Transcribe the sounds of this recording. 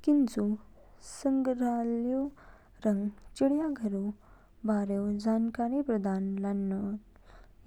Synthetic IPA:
kint͡su | səŋɡɾaljo | ɾəŋɡt͡ɕiɽjaɡʱəɾu | baɾjewd͡ʑankaɾipɾəd̪anlanːə

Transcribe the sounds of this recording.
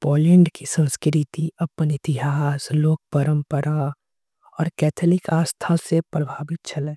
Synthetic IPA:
poːlɛ̃ɳɖkisə̃nskɾɪt̪iʔɐpənɪt̪ɪɦaːsloːk̚pəɾə̃mpəɾa | ɔːɾkɛːt̪ʰəlɪkaːst̪ʰasepɾəbʱaːbɪt̪̚t͡ʃɐlẽː

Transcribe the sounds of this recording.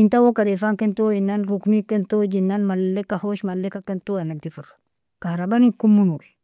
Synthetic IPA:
intawokadefaŋkentojinːanɾuknikentod͡ʒinːanmalːekahoʃmalːekakentuanak̚difuɾḁ | kahɾabanikumːunui

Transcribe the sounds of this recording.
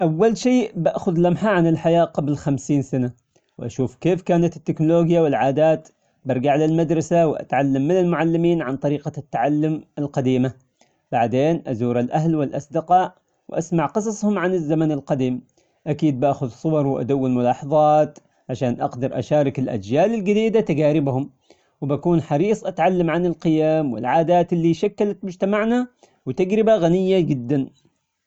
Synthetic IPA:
ʔawːalʃeːʔbaʔxʊðlʔamħaʕanɪlħajaːʔqɑblxamsiːnsana | wʔaʃuːfkeːfkaːnat̪ɪt̪ːɪknʊloːɡjawɪlʕaːd̪aːt̪ | baɾˤɡaʕlalmad̪ɾˤɑsawʔa̰t̪ʕalːamːɪnɪlmʊʕalːɪmiːnʕant̪ˤɑɾiːqat̪ːaʕalːʊmalqɑd̪iːma | b̥aʕd̪eːnʔazuːɾalʔahlwɪlʔɑsˤd̪ɪqɑːʔ | wʔasmaʕqɨs̬ˤɑsˤhʊmʕanɪzːamanɪlqɑd̪iːm | ʔakiːd̪̚baːxʊðsˤʊwɑɾˤwɪʔa̰d̪awːɪlmʊlɑːħɑðˤɑːt̪ | ʕaʃaːnʔɑqd̪ɑɾˤʔa̰ʃaːɾˤɑkɪlʔa̰d͡ʒjaːlɪlɡɪd̪iːd̪at̪aɡaːɾɪbhʊm | wɪbakuːnħɑɾiːsˤʔat̪ʕalːamʕanɪlqɪjaːmwɪ̰lʕaːd̪aːt̪ɪlːiʃakːalat̪mʊd͡ʒt̪amaʕna | wɪt̪aɡɾɪbaɣanɪjːad͡ʒɪd̪ːan

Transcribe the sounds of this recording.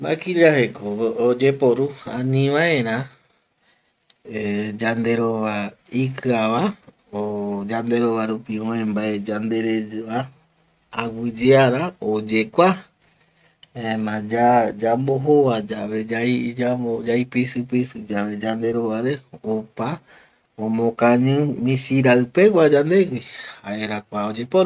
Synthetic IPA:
ma̰kiʎaɦekood͡ʒepoɾuã̰nĩʋaẽɾ̃ã | ed͡ʒand̪e̞ɾoʋaikɨaʋa | od͡ʒand̪e̞ɾoβaɾupiõẽmbaed͡ʒand̪e̞ɾed͡ʒɨaː | wɨd͡ʒeaɾaod͡ʒe̞kʷa | emãd͡ʒad͡ʒamboɦoʋad͡ʒaʋed͡ʒaid͡ʒaod͡ʒaipisɨpisɨd͡ʒaʋe̞d͡ʒand̪e̞ɾoʋaɾeopa | õmõkãɲɨ̃mĩsiɾaɨpe̞kʷad͡ʒand̪e̞ɡʷihaeɾakʷaod͡ʒepoɾ

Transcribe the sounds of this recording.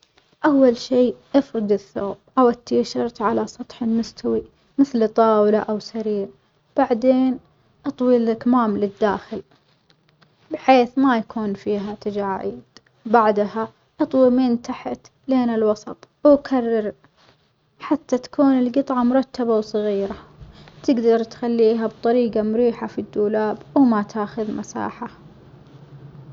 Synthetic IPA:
ʔawːalʃiːʔɪfɾɪd̪ɪθːo̰ːb̚ʔawʔɪt̪ːiːʃɑɾt̪ʕalasˤɑt̪ˤħɪlmʊst̪ʰawi | mɪθlt̪ˤːɑːwlaʔawsaɾiːɾ | b̥aʕd̪eːn | ʔɑt̪ˤwilakmaːmlɪd̪ːaːxɪl | bɪħeːθmajakuːnfiːɦat̪ad͡ʒaːʕḭːd̪̥ | baʕd̪ha | ʔɑt̪ˤwimiːnt̪aħat̪ | leːnɪlwɑsˤɑt̪ˤ | wkʰarːɑɾ | ħat̪ːat̪ḁkuːnɪlɡɨt̪ˤʕɑmʊɾˤɑt̪ːabawsˤɑɣiːɾat̪ɪɡd̪ɑɾˤt̪xalːiːɦabt̪ˤɑɾiːɡamʊɾiːħafid̪ːuːlaːbwmat̪ʰaːxʊðmʔasa̰ːħa

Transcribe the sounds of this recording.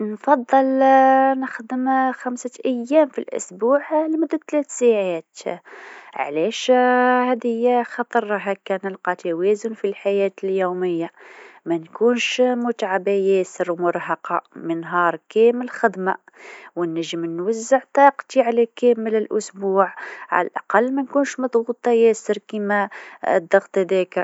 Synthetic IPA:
nfɑd̪ˤːəlnəxd̪əmxæmsəʔæjːæmfḭlʔʊ̰sbuʕlmʊd̪ːæt̪ːlæt̪saʕat̪ | ʕ̰læʃhæd̪həjːæxɑt̪ˤəɾˤɦækːænəlqɑt̪æwæzʊnfilħajæt̪əljuməjːamænkunʃmʊt̪ʕabæjæːsəɾwmʊɾˤhɑqɑmənɦɑːɾˤkæməlxəd̪ma | wənːəʒːəmnwazːəʕt̪ˤɑːqt̪iʕalækæːmələlʔʊ̰sbuːʕʕa̰læ̰lʔɑ̰qɑlːmænkuːnʃmɑd̪ˤɣut̪ˤɑjæsəɾkimæ̰d̪ˤːɑɣt̪ˤd̪ækəɾ

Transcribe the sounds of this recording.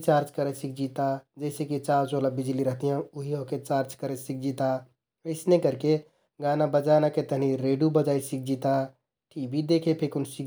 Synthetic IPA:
t͡ʃaːɾt͡ʃkəɾesik̚ʰd͡ʒiːt̪ad͡ʒɛɪsekit͡ʃaːɾt͡ʃoːlabɪd͡ʒliɾəɦt̪iɦɛ̃ʊɦiɦoːket͡ʃaːɾt͡ʃkəɾesɪk̚ʰd͡ʒiːt̪a | ɪsnekəɾke | ɡaːnabəd͡ʒaːnaket̪əɦniɾeːɖubəd͡ʒaːisik̚ʰd͡ʒiːt̪a | ʈʰiːbʱid̪eːkʰepʰekʊnsik

